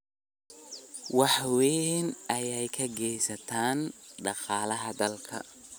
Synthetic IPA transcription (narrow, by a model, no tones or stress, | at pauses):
wɑħwɛnɐjɛjkʰɐɡɛːsɐt̪ʰaːnɖɑqɑːlɐɦɐd̪ɐlkʰɐ̰